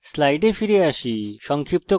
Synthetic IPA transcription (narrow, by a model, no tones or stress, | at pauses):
slajɖepʰiɾiasisɔŋkʰip̚t̪ɔ